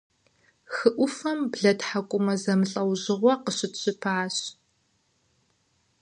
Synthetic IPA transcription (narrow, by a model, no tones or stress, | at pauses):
xɨʔʷʊfɐmbɮɐtħakʷʼʊmɐzɐmɨɬʼɐwʑɪʁʷɔqəɕɪtɕʼɪpʰaːɕ